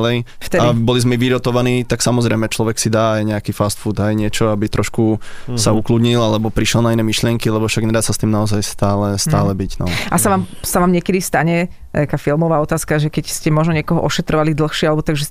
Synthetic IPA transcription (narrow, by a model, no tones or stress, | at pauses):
lɛjft̪ɛaibɔlizmɛʋiɾɔt̪ɔʋaniːt̪aksamɔzɾɛjmɛt͡ʃlɔʋɛksid̪aːajɲɛakifast̪fud̪ajɲɪɛt͡ʃɔabit̪ɾɔʃkusaukludɲilalɛbɔpɾiʃɛlˠnainɛːmiʃlɪɛŋkilɛbɔfʃaɡɲɛd̪aːsast̪iːmnaɔzajst̪aːlɛst̪aːlɛbiɟnɔ̰ʔasaʋaːmsaʋaːmɲɪɛkɛd̪ist̪aɲɛ | t̪akaːfilˠmɔʋaːɔt̪aːskaʒɛkɛcscɛmɔʒnɔɲɪɛkɔɦɔʔɔʃɛt̪ɾɔʋalid̪l̩ˠxʃɪɛalɛbɔt̪aɡʒɛ